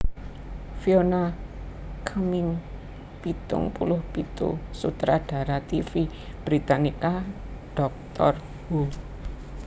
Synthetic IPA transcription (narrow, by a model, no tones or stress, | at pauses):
fiona | kʰəmɪŋ | pit̪ʊ̰ŋpulʊhpit̪ṵsut̪ɾaɖ̥a̤ɾat̪ifi | b̥ɾit̪anika | ɖ̥ɔk̚t̪ɔr | hu